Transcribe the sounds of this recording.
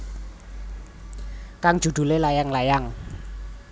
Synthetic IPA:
kaŋ̥ʒ̥ṳd̪̥ṳlelajaŋlajaŋ

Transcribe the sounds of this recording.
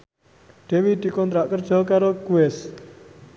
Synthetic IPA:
ɖ̥ewiɖikɔnt̪ɾaʔkərd͡ʒɔkaɾokuɛs

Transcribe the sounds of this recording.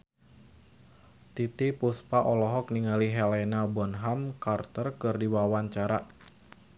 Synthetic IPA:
t̪it̪ipuspaʔɔlɔɦɔk̚niŋaliɦɛlɛnabɔnɦamkart̪ərkɨrdiwawaɲt͡ʃaɾa

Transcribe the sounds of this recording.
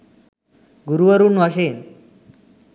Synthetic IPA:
ɡuɾuʋəɾuːnʋaɕ̬en

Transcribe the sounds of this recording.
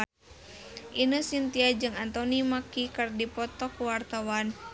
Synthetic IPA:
ʔinəsint̪iad͡ʒɨŋant̪ɔnimakikɨrdipɔt̪ɔkuwart̪awan

